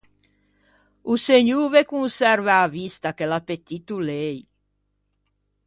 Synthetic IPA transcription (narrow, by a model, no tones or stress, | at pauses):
useɲuvekunsɛɾvaːvist̪akelapet̪ːit̪ulej